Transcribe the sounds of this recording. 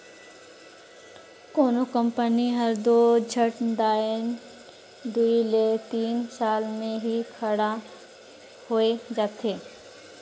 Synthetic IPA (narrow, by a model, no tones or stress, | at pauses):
koːnokə̃mpəniɦɐɾd̪oːd͡ʒʱəʈd̪aːən | d̪uilet̪iːnsaːlmẽɦikʰɐɽa | hoed͡ʒaːt̪ʰeː